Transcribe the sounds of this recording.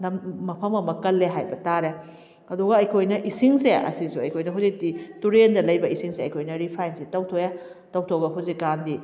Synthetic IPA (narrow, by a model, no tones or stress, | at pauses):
nɐmmɐpʰɐmɐmɐkɐlːeɦajbɐtaɾe | ɐduɡɐɐjkʰojnɐʔisiŋseɐ̰sisuɐjkʰojnɐɦuwzik̚dituɾendɐlɐjbɐisiŋseɐjkʰojnɐɾipʰajnsetɐwtʰoja | tɐwtʰowɡɐɦuzikːandi